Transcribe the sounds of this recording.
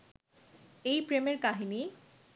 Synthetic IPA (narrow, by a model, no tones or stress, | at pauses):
ejpɾemeɾkaɦini